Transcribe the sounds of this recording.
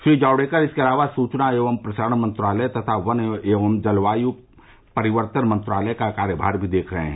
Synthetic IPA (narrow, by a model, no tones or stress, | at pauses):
fid͡ʒaːʊɽekəɾɪskeɐlaːʋasuːt͡ʃnaeːʋəmpɾɐʃəɾəɳ̃mɐ̃nt̪ɾaːlɛt̪ɐt̪ʰaʋəneːʋəmd͡ʒɐlʋaːju | pɐɾɪʋəɾt̪ənmɐ̃nt̪ɾaːləkakaːɾjəbʱa̰ːɾbʱid̪eːkʰɾəɦḛ̃ɛ̃